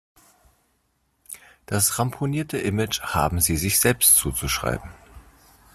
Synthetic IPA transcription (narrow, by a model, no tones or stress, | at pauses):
d̥asʁampʰoniːɐtʰəʔɪmɪt͡ʃha̰ːbm̩ziːzɪçz̥ɛlpstt͡suːt͡suʃʁ̥a̰ɪbm̩